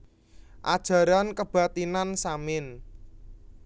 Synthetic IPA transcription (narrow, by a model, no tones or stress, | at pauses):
ʔa̰d̥ʒ̥a̤ɾankəb̥a̤t̪inansamɪn